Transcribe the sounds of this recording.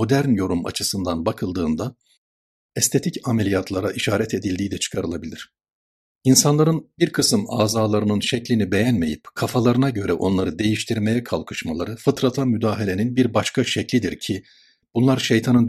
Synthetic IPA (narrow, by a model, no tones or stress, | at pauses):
o̞d̪æɾnjo̞ɾuma̰t͡ʃʰɯsɯnd̪anbakʰɯlˠd̪ɯːnd̪a | ɛst̪ʰe̞t̪ʰicamelʲijat̪ʰlˠaɾaʔiʃaːɾɛt̪ʰe̞d̪ilʲd̪iːd̪ɛt͡ʃʰɯ̥kʰaɾɯlˠabilʲiɾ̥ | insanlˠaɾɯnbiɾkʰɯsɯma̰ːzaːlˠaɾɯnɯnʃɛclʲinibe̞jænme̞jipkʰafalˠaɾɯnaɟø̞ɾɛʔo̞nlˠaɾɯd̪e̞jiʃt̪ʰiɾme̞jɛkʰalˠkʰɯ̥ʃmalˠa̰ɾɯfɯt̪ɾat̪ʰamyd̪aːɦelʲeninbiɾbaʃkʰaʃɛclʲid̪iɾcʰi | b̥unlˠaɾʃejt̪ʰanɯn